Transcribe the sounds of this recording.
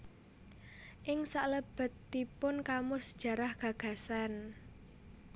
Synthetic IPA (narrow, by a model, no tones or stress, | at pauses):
ʔɪŋsaʔləb̥ə̤t̪ːipʊnkamʊsə̥d̥ʒ̥ä̤ɾahɡ̥ä̤ɡ̥ä̤san